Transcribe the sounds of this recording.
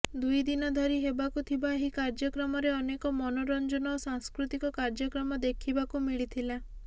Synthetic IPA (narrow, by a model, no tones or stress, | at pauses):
d̪ujd̪inɔd̪ʱɔɾiɦebakut̪ʰibaɦikaɾd͡ʒɔkɾɔmɔɾeɔnekɔmɔnoɾɔnd͡ʒɔnɔosaŋskɾut̪ikɔkaɾd͡ʒɔkɾɔmɔd̪ekʰibakumiɭit̪ʰila